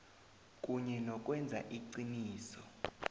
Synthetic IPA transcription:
kʼuɲɛnɔkʼwɛnd͡zʱa̰ʔiǀiniːsɔ

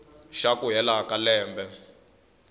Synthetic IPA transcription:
ʃakʼuɦɛlakalɛːmbɛ

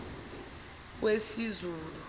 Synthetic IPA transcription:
k̬wesizuːlu

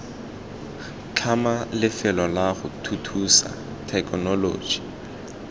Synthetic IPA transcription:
t͡ɬʰamalɪfɛlɔlaχʊ̰tʰutʰusa̰ | tʰɛkʰʼɔnɔlo̰ːd͡ʒi̥

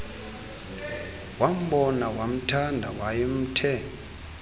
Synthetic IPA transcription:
wam̩ɓɔnawam̩tʰandʱawajem̩tʰɛːŋ | ɔ

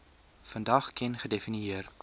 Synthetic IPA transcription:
fəndɐχkɛnχədefiniiər

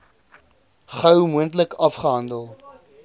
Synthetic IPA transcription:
χɐwmuəntləkʰɐfχəɦɐndəlˠ

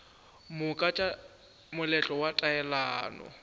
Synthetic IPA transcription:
mʊkʼat͡ʃʼa | mʊlɛt͡ɬʼɔwatʼaɛlaːnɔ̰

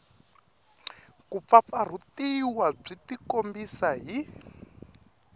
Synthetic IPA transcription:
kup̪fap̪far̤utiwab͡ʐitikombisaɦi

